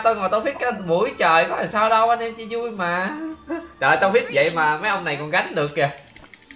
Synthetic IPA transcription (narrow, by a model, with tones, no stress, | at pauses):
t̪o˧jŋɔ˨˩jt̪ə˧wfi˦˥t̚kaː˨˧mṵ˧˩˦jt͡ɕəː˧˨jkɔ˨˦t̪ʰe˨˩saː˧wɗə˧wʔa˧nɛ˧mt͡ɕi˧zu˧jmaː˨˩ | t͡ɕəː˨˩jt̪ə˧wvi˦˥ət̚və̰˧˨jmaː˨˩maː˨˦jʔə˧wŋ͡mna˨˩jkɔ˨˩nɣa˨˦jŋ̟ɗɨ˨˩ək̚ɲa˨˩